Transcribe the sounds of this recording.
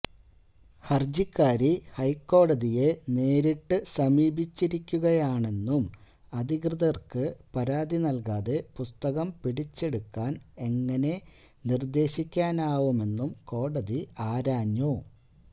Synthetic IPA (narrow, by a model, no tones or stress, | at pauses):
hɐrd͡ʑikːaːɾihɐjkːo̞ːɽɐðije̞ne̞ːɾiʈːɨsɐmiːbʱit͡ɕːiɾikʲːuɣɐjaːɳe̞nːum | ɐd̪ʱikrɨðɐrkɨpɐɾaːd̪inɐlkaːðe̞pust̪ɐɣɐmpiɽit͡ɕːe̞ɽukːaːne̞ŋːɐne̞ | nird̪e̞ːɕikʲːaːnaːʋume̞nːumko̞ːɽɐðiaːɾaːɲːoː